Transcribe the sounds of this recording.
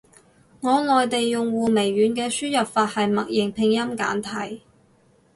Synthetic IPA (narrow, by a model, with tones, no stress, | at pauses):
ŋɔː˨˧lɔː˨jt̪e˨jːʊ˨ŋwuː˨me˨˩jːyː˨˧nkɛː˧syː˥jɐ˨p̚faː˧t̚hɐ˨jmɐ˨k̚jɪ˨˩ŋpʰɪ˧ŋjɐ˥mka̰ː˨˥nt̪ʰɐ˨˩j